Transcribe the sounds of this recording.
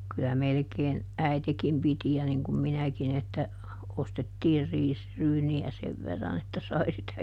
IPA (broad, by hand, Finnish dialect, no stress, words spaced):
kylæ melĕkeːn æitekim piti jɑ niŋ kum minækin etːæ ostetːiːr riːsryːniæ seʋ ʋerːɑn etːæ sɑi sitæ